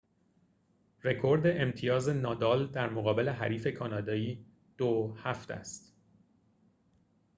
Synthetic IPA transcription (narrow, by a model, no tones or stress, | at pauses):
ɾe̞kʰo̞ɾd̪e̞ʔemt̪ʰijɒːze̞nɒːd̪ɒːld̪æɾmoɣɒːbe̞le̞ɦæ̰ɾiːfekʰɒːnɒːd̪ɒːiː | d̪̥ohæft̪æ̰st̪